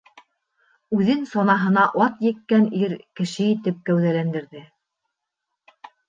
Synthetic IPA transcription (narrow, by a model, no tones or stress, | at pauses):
ʉðɘnsɒnɑɦɤ̆nɑʔɑt̪jɘ̆kːæniɾkɘ̆ʃɘit̪ɘp̚kæwðælænd̪ɘ̆ɾðɘ